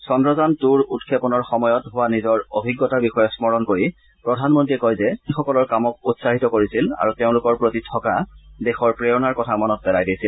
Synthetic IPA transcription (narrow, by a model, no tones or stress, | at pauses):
sɔndɹɔzantuɹutkʰepɔnɔɹxɔmɔjɔtɦʊwanizɔɹobʱiɡːɔtabixɔjɔsmɔɹɔnkoɹi | pɹɔdʱanmɔntɹiɛkɔjzɛixɔkɔlɔɹkamɔk̚utsaɦitɔkoɹisila̰ɹuteʊ̃lʊkɔɹpɹotitʰɔkadɛxɔɹpɹejɔnaɹkɔtʰamɔnɔt̚pɛlajdijsil